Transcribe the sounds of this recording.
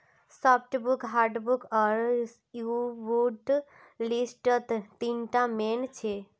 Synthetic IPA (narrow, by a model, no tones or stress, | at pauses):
sɔpʰʈbukɦaɾɖbukɔɾ | jubuɖ | lisʈət̪t̪inʈament͡ʃʰe